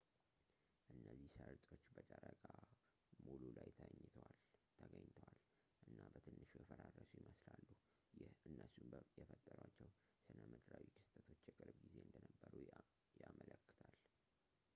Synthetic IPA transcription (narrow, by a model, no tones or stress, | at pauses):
ʔɨnːəzːihsəɾt͡ʃ̪ʼo̞t͡ʃːbət͡ʃʼəɾəkʼa | mululajt̪ʰəɲːt̪ʰəwalt̪ʰəɡəɲːt̪ʰəwal | ʔɨnːabət̪ʰɨnːɨʃujɛfəɾarːəsujiməslalːu | jɪhʔɨnːəsujɛfət̪ʼːəɾwat͡ʃːɛw | sɨnəmɨd̪ɾawikʰɨst̪ʼət̪ʰo̞t͡ʃːjɛkʼɨɾbɡize̞ɨnd̪ənəbːəɾu | jamələkːɨ̥t̪ʰal